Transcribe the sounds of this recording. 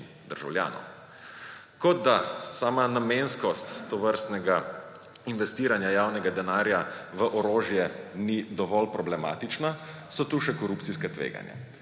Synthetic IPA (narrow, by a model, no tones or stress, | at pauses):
d̪əɾʒa̰wlja̰ːnɔ̰w | kɔd̪d̪asaːmanamenskɔst̪ːɔʋəɾst̪nɛɡa | inʋɛst̪iːɾanjajaːwnɛɡad̪ɛnaːɾjaʋəʔɔɾoːʒjɛnid̪ɔʋɔlpɾɔblɛma̰ːt̪it͡ʃna | sɔt̪uʃɛkɔɾuːpt̪siskɛt̪ʋḛːɡa̰nja̰